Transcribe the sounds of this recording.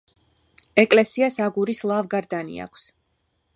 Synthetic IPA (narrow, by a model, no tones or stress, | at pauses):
ɛkʼlɛsiasaɡuɾislˠavɡaɾd̪anḭa̰kʷʰs